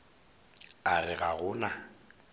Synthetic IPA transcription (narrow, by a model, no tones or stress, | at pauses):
arɪɣaɣʊːna